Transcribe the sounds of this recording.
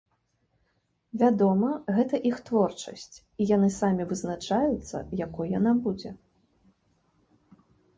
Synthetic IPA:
vʲad̪ɔmɐɣɛt̪ɐʔixt̪vɔrt͡ʂɐ̰sʲt͡sʲ | ijan̪ɨsamʲivɨznat͡ʂajut̪sːɐ̰jakɔjjan̪abud͡zʲɛ

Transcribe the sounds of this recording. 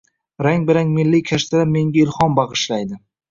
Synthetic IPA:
ɾaŋbɪɾaŋmɪlːikʲʰaʃt̪ʰad̪ame̞ŋɡʲaɪlˠχɒnbɑʁɨʃlajd̪ɪ

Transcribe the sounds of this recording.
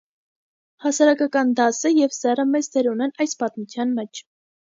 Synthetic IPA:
hɑsɑɾɑkɑkɑnd̪ɑsəjɛvsɛrəmɛt͡sd̪ɛɾunɛnɑjspɑt̪mut͡sʰjɑnmɛt͡ʃʰ

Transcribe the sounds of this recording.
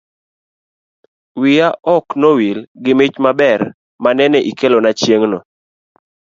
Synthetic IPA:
wɪjaʔɔknɔwilɡɪmɪt͡ʃmabɛr | manɛnɛʔikelonat͡ʃjeŋnɔ

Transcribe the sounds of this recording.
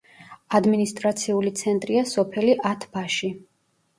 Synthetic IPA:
ad̪minist̪ʼɾat̪sʰiulit̪sʰɛnt̪ʼɾiasɔpʰɛliʔat̪ʰbaʃi

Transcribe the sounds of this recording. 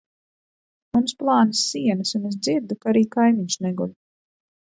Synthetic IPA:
munsplˠɑːnisːiɛnɨsunez̬d̪ziɾd̪ukaɾiːkajmiɲʃnɛɡulʲ

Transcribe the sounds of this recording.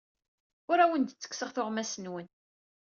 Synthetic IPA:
ʊɾæwənd̪t͡sːə̥kːsəʁθʊʁmæsənwən

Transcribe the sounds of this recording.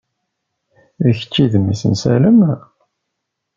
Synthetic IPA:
ðəçə̥t͡ʃːiðmisə̰nsæ̰ləm

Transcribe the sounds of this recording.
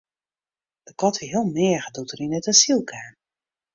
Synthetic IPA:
d̥əkɔtiɦiəlˠmɛəɣədutərinətasilˠkʰaːn

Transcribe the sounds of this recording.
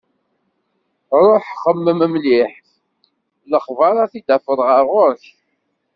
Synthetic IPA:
ɾˤoħχəmːəməmliħθ | ləχvəɾˤaθid̪æfəɾˤʁəɾʊɾç

